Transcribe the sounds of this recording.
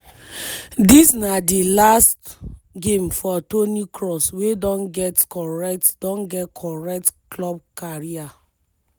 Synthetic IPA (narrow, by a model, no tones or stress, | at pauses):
disnadilastɡẽmfɔtonikɹɔswedɔ̃nɡɛtkɔɹɛk̚td̥ɔ̃nɡɛtkʰɔɹɛk̚tklɔb̚kaɹia